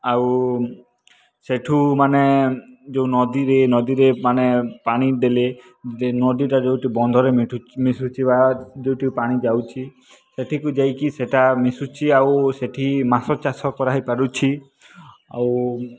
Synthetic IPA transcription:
aw | seʈʰumaned͡ʒewnɔd̪iɾenɔd̪iɾemanepaɽ̃id̪ele | nɔd̪iʈad͡ʒewʈibɔnd̪ʱɔɾeʈumisut͡ʃʰibad͡ʒewʈipaɽ̃id͡ʒawt͡ʃʰi | seʈʰikud͡ʒajkiseʈamisut͡ʃʰiawseʈʰimasɔt͡ʃasɔkɔɾaɦipaɾut͡ʃʰi | a̰w

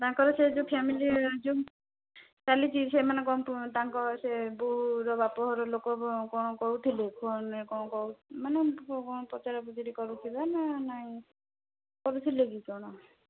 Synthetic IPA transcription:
t̪aŋkɔɾɔsed͡ʒũpʰamilid͡ʒu | kalit͡ʃisemanekɔt̪aŋkɔsebuɦuɾɔbapɔɦɔɾɔlokɔkɔɽ̃ɔkɔɦut̪ʰilekʰɔnekɔɽ̃ɔkɔumanekɔɽ̃ɔpɾɔt͡ʃaɾɔbud͡ʒɔɾikɔɾut̪ʰibananaĩ | kɔɾut̪ʰileɡikɔɽ̃ɔ

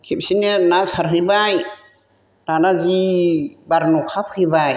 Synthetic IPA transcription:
kʰip̚sinenasaɾɦɯbaj | danazibaɾnɔkʰap̚hɯjbaj

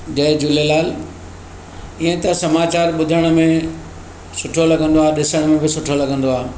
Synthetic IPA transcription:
d͡ʑɐɦd͡ʑulelaːl | iɦə̃t̪ɐsɐmaːt͡ɕaːɾɓʊd̪ʱəɽ̃̆mẽ | sʊʈʰolɐɡʱə̃nd̪oaːɗɪsəɽ̃mẽbɪsʊʈʰolɐɡʱə̃nd̪oaː

